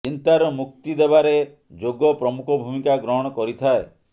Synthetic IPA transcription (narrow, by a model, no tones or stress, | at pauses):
t͡ʃint̪aɾɔmuk̚t̪id̪ebaɾe | d͡ʒoɡɔpɾɔmukʰɔbʱumikaɡɾɔɦɔɽ̃ɔkɔɾit̪ʰae